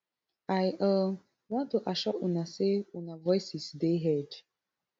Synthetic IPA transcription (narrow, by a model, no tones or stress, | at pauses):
ajʔɔ | wãntoʔaʃɔunaseunavɔjsisdeɦɛd